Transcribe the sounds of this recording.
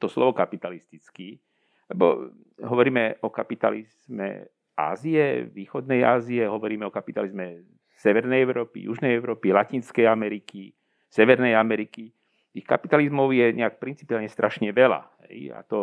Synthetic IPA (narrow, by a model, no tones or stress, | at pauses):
t̪ɔslɔʋɔkapit̪alist̪it͡ski | lɛbɔ̰ | ɦɔʋɔɾiːmɛʔɔkapit̪a̰lizmɛ̰ | a̰ːziɛʋiːxɔd̪nɛja̰ːziɛɦɔʋɔɾiːmɛɔkapit̪alizmɛ | sɛʋɛɾnɛjɛʊɾɔːpḭjṵʒnɛjɛʊɾɔːpilaciːnskɛjamɛɾiki | sɛʋɛɾnɛjamɛɾiki | t̪ixkapit̪alizmɔʊjɛɲɛak̚pɾint͡si̥pialɲɛst̪ɾʔaʃɲɛʋɛla̰ɦɛ̰ja̰t̪ɔ